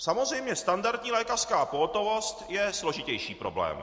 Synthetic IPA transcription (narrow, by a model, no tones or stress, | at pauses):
samozr̝ɛjmɲɛst̪andaɾt̪ɲiːlɛːkar̥skaːpoɦot̪o̞vo̞st̪jɛslo̞ʒɪcɛjʃiːpɾo̞̰blɛ̰ːm